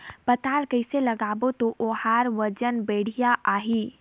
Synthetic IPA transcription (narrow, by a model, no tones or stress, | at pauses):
pət̪aːlkəɪseləɡaːbot̪oʔohaːɾʋəd͡ʒənbeːɽ̤ijaʔaːɦiː